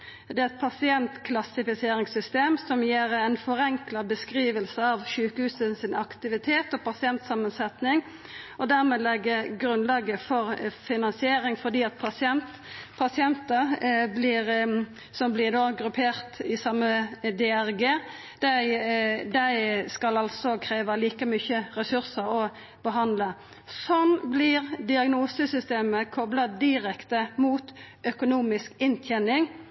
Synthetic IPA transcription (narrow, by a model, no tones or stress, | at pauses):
d̪ɛɛt̪̚pʰɑsɪɛnt̪kʰlɑsɪfɪseːɾɪŋsʏst̪eːmsɔmjeːʁæɪnfɔɾɛŋklɑbəskʁiːʋəlsəɑʋʃʉːkəhʉːsəsɪnɑkt̪ɪʋɪt̪ʰeːt̪ɔpɑsɪɛnt̪sɑmənsɛt̪nɪŋ | ɔd̪æʁmɛːlɛɡːəɡɾʉnlɑːɡəfɔʁfɪnɑnsɪeːɾɪŋfɔʁd̪iːɑt̪̚pʰɑsɪɛnt̪ | pʰɑsɪɛnt̪əblɪʁ | sɔmblɪd̪oːɡɾʉpʰeːʁt̪ɪsɑmːəd̪ɛæʁɡeː | d̪̥æɪd̪æɪskɑlɑlsɔkʰɾeːʋəliːkəmyçəɾɛsʉʁsəʁɔ | b̥əɦɑnd̪lə | sɔnblɪʁd̪ɪɑɡnuːsəsʏst̪eːməkʰɔblɑd̪ɪɾɛkt̪əmuːt̪ʔœkʊnuːmɪskɪnt̪ʰjɛnɪŋ